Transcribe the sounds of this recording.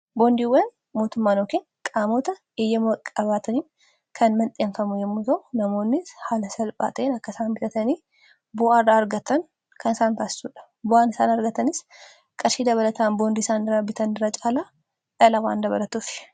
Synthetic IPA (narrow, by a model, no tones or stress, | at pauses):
bond̪iːwːɐn | mo̞ːt̪ʊmːaːnoːkeːŋ | kʼaːmoːt̪ɐ | ɪjːɐmɐkʼɐbaːt̪ɐniːn | kʰɐnmɐnt̪ʼeːnfɐmʊjɛmːut̪ɐʔʊnɐmo̞ːnːɪshaːlɐsɐlpʼa̰ːt̪ʼeːnɐkːɐsaːnbɪt̪ɐt̪ɐniː | bʊʔaːrːaːɐɾɡɐt̪ːɐŋ | kʰɐnɪsaːŋt̪aːsɪ̥sṵːᶑɐ̥ | bʊʔaːnɪsaːnɐɾɡɐt̪ɐnɪs | kʼɐɾʃiːd̪ɐβɐlɐt̪aːnboːnd̪iːsaːnɪrːabɪt̪ɐnɪrːat͡ʃʼaːlaː | ᶑɐlɐwa̰ːnd̪ɐβɐ̰lɐt̪uːfɪ̥